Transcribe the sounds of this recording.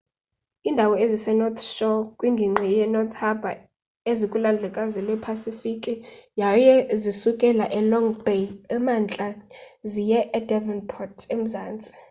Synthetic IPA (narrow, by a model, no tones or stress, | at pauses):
iːndʱawɔezisɛnɔt̪ʰʃɔkʼwiŋɡʱiŋ͡ǀʱɛjɛnɔt̪ʰhaba | ezikʼuland͡ɮʱɛkʼazilwɛpʰasifikʼijajɛzisukʼɛlaʔɛlɔŋbeɛmant͡ɬʼazijɛʔːdɛvɛnpʰɔtʰem̩zaːnt͡sʼi̥